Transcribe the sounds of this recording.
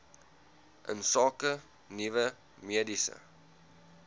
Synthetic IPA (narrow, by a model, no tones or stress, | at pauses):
ʔə̰nsɑːkə | nivə | miədisə̰